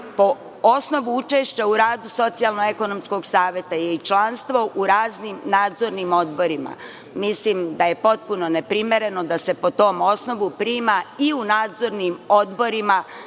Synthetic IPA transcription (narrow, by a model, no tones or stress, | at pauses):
po̞ | osno̞ʋuut͡ʃe̞ʃt͡ɕauɾaːd̪uso̞t̪sialˠnoeko̞no̞msko̞ɡsaːʋje̞t̪ajeit͡ʃlˠanst̪ʋo̞ʔuɾaːznimnaːd̪zo̞ɾnimo̞d̪bo̞ɾima̰ | mislimd̪aje̞po̞t̪̚puno̞nepɾime̞ɾe̞no̞d̪ase̞po̞t̪o̞ːmo̞sno̞ʋupɾiːmaiunaːd̪zo̞ɾnimod̪bo̞ɾima